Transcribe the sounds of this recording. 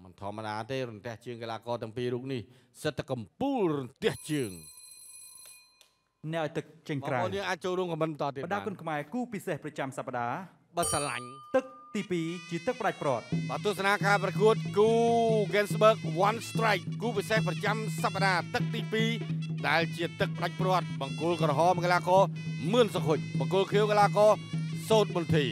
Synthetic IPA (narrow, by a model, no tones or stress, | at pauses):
mənt̪ʰɔ̆əmːəɗaːt̪eːɾunt̪ɛ̆əht͡ɕəːŋkelaːkɑːt̪ɛ̆əŋpiːɾuːp̚nihsət̪ʰːakːɑmpuːlrunt̪ɛ̆əht͡ɕəːŋ | nɛ̆əʔaɔjt̪ɨk̚t͡ɕəɲkraoniəŋʔaːc̚t͡ɕoːlrɾuəmkɑmət̪n̚mənt̪ɔːt̪iəpəɗaːkʊnkʰmaɛkuːpisehprɑt͡ɕamsapːaɗaː | ɓasala̰ɲt̪ɨk̚t̪iːpiːt͡ɕiət̪ɨk̚pə̆ɗac̚prŏət̪̚ɓaːt̪uəhsanaːkaːprɑkuət̪̚kuːɡɛnsɓəːk̚ʋanst̪raɛkːuːpisehprɑt͡ɕamsapːaɗaːt̪ɨk̚t̪iːpiːɗaɛlt͡ɕiət̪ɨk̚pəɗac̚prŏət̪̚ɓɑŋkʊ̆lkrɔɦɑːmkalaːkɑːmɨənsɔkʰoc̚ɓɑŋkʊlkʰiəwkalaːkɑːsoːt̪̚munt̪ʰiː